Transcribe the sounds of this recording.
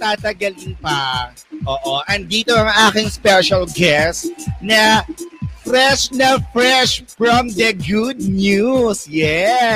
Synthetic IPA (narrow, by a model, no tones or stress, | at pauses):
t̪aːt̪ɐɡɐlɪnpɐ | ʔoːʔoʔɐnd̪iːt̪oɐŋʔaːkɪŋspɛʃɐlɡɛsnɐ | fɾɛʃnɐfɾɛʃfɹɐ̃md̪ɐɡud̪̚njusjɛ